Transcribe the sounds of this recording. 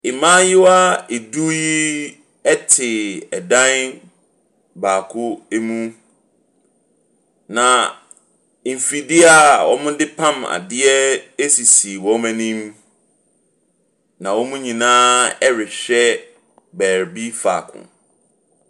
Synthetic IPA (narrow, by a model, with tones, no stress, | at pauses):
ɪ˨mãː˦jɪ˦wa˦e˨du˦ji˦ | ɛ˦tʰɪ˨ɛ˨dã˦n | baː˨kʰʊ˦e˦mũ˦ | nã˨ | m̩˨fi˨dɪ˦a˨wɔ̰˦mʊ̃˦dɪ˦pʰã˦ma̰˨dɪ˦ɛ˦e˦si˨si˨wɔ̃˦mæ̃˦nĩ˦m | nã˨wɔ˦mũ˦ɲĩ˨nãː˦ɛ˦ɾɪ˨ɕᶣɛ˦ | bæː˨ɾbi˦fa̰ː˨kʰʊ̰̃˨